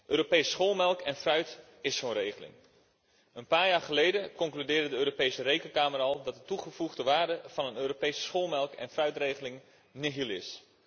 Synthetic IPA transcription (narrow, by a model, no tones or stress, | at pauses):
ʔøːɾopejssχoːlˠmɛlˠkʰɛnfrœɥt | ɪsːonrejχəlɪ̰ŋ | ənpaːɹjaːɹχəlejdəkɔŋklydɪːrdədəøːɾopejsərejkənkaːmərɑlˠdɑt̚dətuχəvuχdəʋaːɹdəv̥ɑnənøːɾopejsə̥sχoːlˠmɛlˠkɛ̰nfrœɥtrejχəlɪŋ | nɪɦilˠɪ̰s